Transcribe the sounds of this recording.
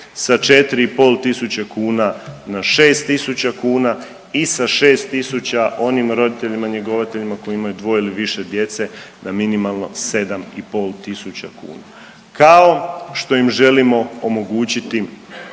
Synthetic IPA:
sat͡ʃe̞t̪iɾiipo̞lt̪isut͡ɕekuːnanaʃe̞ːst̪ːisut͡ɕakuːna | isaʃe̞ːst̪isut͡ɕaʔo̞nimɾo̞d̪it̪e̞ʎimaɲeɡoʋat̪e̞ʎimakojimajud̪ʋo̞ːiliʋiʃe̞d̪je̞t̪se̞naminimalˠno̞̰se̞d̪amipo̞lˠt̪isut͡ɕakṵːna | kaoʃt̪o̞jimʒe̞limo̞omo̞ɡuːt͡ɕit̪i

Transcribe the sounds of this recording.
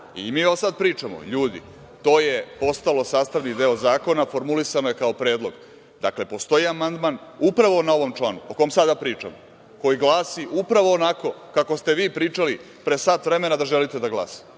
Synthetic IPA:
ḭmiːoosad̪̚pɾiːt͡ʂamo̰ʎuːd̪ḭ | t̪o̞ːje̞po̞st̪alo̞saːst̪aʋnikd̪eozaːko̞nafo̞ɾmulisanojekaopɾeːd̪lˠo̞ɡ | d̪akle̞po̞st̪o̞iamand̪manupɾaʋo̞nao̞ʋo̞mt͡ʃlˠaːnuoko̞jomsad̪apɾiːt͡ʂa̰mo | ko̞jiɡlˠaːsiʔupɾaʋoːnako̞kako̞st̪e̞ʋiːpɾiːt͡ʂali | pɾesaːt̪ʋɾe̞me̞nad̪aʒelit̪ed̪aɡla̰ːsi̥

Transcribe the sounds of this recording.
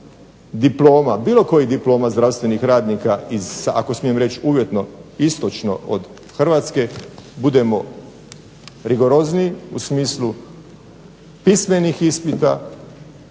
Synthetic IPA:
d̪iplo̞ːmabiːlˠo̞ko̞jid̪iplo̞ːmazd̪ɾawst̪ʋe̞nixɾaːd̪nikaizsaa̰kosmijemɾe̞t͡ɕuːʋje̞t̪no̞ist̪o̞t͡ʃno̞̰ʔo̰d̪ | xr̩ʋaːt̪ske̞bud̪e̞mo̞ | ɾiɡo̞ɾo̞zniṵsmiːslˠu | pisme̞nixispit̪a̰

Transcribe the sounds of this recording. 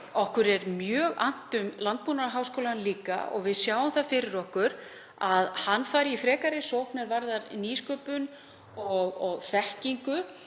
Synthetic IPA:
ɔhkʏɾɛɾmjœːɣa̰n̥t̪ʏmlant̪̚punaɾaɦaːwskoːwlanliːka̰ɔ̰ɣvɪðsjaːwʏmθafɪɾɪɾɔhkʏɾ | aðhanːfaːjɾɪifɾɛːkaɾɪsowpnɛɾvaɾðaɾniːskœːpʏn | ɔɣɔɣθɛhciŋkʏ

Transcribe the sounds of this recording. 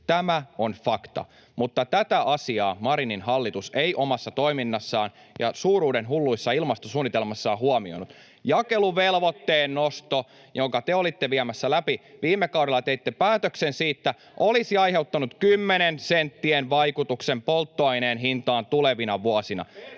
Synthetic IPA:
t̪æmæonfɑkt̪ɑ̰ | mut̪ːɑt̪æt̪æʔɑsiɑːmɑɾininhɑlːit̪useiʔomɑsːɑt̪o̞iminːɑsːɑːn | jɑ̰suːɾuːdenɦulːuisːɑilmɑst̪osuːnːit̪elmɑsːɑːhuɑmio̰nut̪ | jɑkeluʋelʋot̪ːeːnːost̪o | joŋkɑt̪eolit̪ːeʋiæmæsːælæpiʋiːmːekɑwɾelːˑɑt̪eit̪ːepæːt̪øksensiːt̪ːæ | ʔolisiɑjhe̞wt̪ːɑnut̪kymːenensent̪ːienʋɑikut̪uksempolt̪ːoɑineːnɦint̪ɑːnt̪uleʋinɑʋuɑsinɑ̰

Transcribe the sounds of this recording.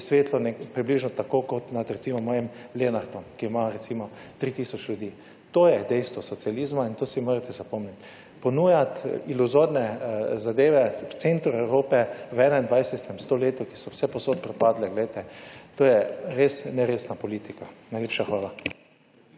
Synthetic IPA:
sʋeːt̪lɔnɛpɾibliːʒnɔt̪akokɔt̪nat̪ɾɛt̪siːmɔmɔːjɛmleːnaɾd̪ɔmkimaɾɛsimɔ | t̪ɾiːt̪iːsɔt͡ʃlʲjud̪iː | t̪oːjɛd̪ɛjst̪ʋɔsɔt̪sialiːzmaint̪oːsimoːɾat̪ɛzapɔmnit̪ | pɔnuːjat̪iluzoɾnɛzad̪eːʋɛwt̪sent̪ɾʊɛwɾoːpɛwɛːnaind̪ʋajsɛt̪ɛmst̪oleːt̪ɔkisɔwsɛpɔsot̪̚pɾɛpad̪lɛɡlɛjt̪ɛt̪oːjɛɾesnɛɾeːsnapɔliːt̪ikanajlʲeːpʃaxʋaːla

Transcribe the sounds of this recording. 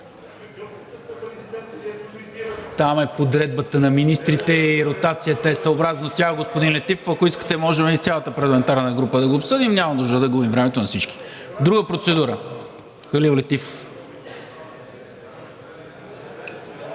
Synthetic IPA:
t̪amɛpod̪ɾɛd̪̚bət̪ənɐminist̪ɾit̪ɛiɾot̪at̪sijət̪əɛsɐobɾaznot̪ʲaɛɡospʊd̪inlɛt̪ifofɐkoiskə̥t̪ɛmɔʒɛmist̪ʲalˠət̪əpɐɾlˠɐmɛnt̪aɾnəɡɾupəd̪ɐɡoːpsɤd̪imɲʲamɐd̪uʒd̪əd̪ɐɡubimvɾɛmɛt̪onɐsit͡ʃki̥d̪ɾuɡəpɾot̪sɛd̪uɾə | xəlivlɛt̪ifof

